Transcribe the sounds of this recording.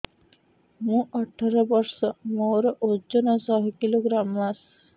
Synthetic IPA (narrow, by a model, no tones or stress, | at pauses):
mũɔʈʰaɾɔbɔɾsɔmowɾɔʔod͡ʒɔnɔsɔɦɔkiloɡɾamːas